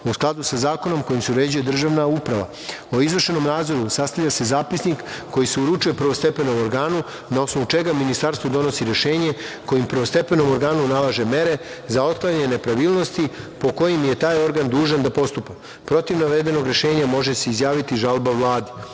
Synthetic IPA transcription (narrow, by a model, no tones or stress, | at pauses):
usklˠad̪usazaːko̞no̞mko̞jimseuɾed͡ʑuje̞d̪r̩ʒaʋnaupɾaʋa̰ | o̞izʋr̩ʃe̞no̞mnaːd̪zo̞ɾusast̪avʎʲase̞zaːpisnikːo̞jiseuɾut͡ʃuje̞pr̩ʋo̞st̪e̞pe̞no̞mo̞ɾɡaːnu | nao̞snoʋut͡ʃe̞ɡaminist̪aɾst̪ʋod̪o̞nosiɾe̞ʃe̞ːɲe̞ko̞jimpr̩ʋost̪e̞pe̞no̞moɾɡaːnunalˠaʒe̞me̞ɾe̞zao̞d̪̚klˠaɲɲene̞pɾaʋiːlˠno̞st̪ipo̞ko̞jimje̞t̪aːjo̞ɾɡand̪uːʒand̪apo̞st̪upa | pɾo̞t̪iʋnaʋed̪e̞no̞ɡɾe̞ʃe̞ːɲamo̞ʒeseizjaːʋit̪iʒalbaʋlˠaːd̪i